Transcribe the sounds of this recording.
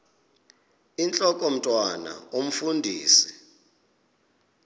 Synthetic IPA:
int͡ɬʼɔkʼom̩tʼwana̰um̩fundʱiːsi̥

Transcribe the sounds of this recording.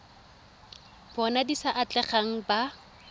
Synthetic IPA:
bɔnadisaʔat͡ɬʼɛχaŋ̩ba

